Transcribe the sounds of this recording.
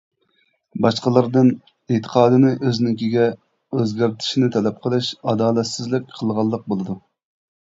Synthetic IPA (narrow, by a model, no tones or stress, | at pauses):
bɑʃqəlˠɨɾd̪ɨn | et̪ʰə̥qʰɑːd̪ɨnɪʔøznɪŋkʲiɡʲɛ | øzɡʲæɾt̪ʰɪ̥ʃinɪt̪ʰɛlɛp̚qʰəlˠɨʃɑd̪ɑːlɛt̪sɪzlɪk̚ʲqʰəlˠʁɑlˠːəq̚bolˠɨd̪u